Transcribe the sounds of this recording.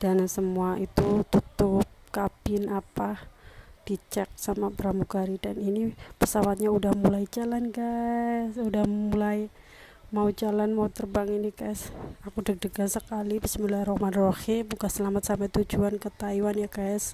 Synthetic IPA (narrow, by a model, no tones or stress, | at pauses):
d̥ansəmuaʔit̪ut̪ut̪ʊp̚kabɪnapahd̥it͡ʃɛk̚samabəɾamuɡaɾidaninipəsawat̪̚ɲaudahmulaid͡ʒalanɡaɛsudahmulaj | maud͡ʒalanmaut̪ərbaŋinikaɛsakudək̚dəɡansəkalibisimilaɾohmanroximukasəlamat̪̚sampɛt̪ud͡ʒuankət̪aiwanjakaɛs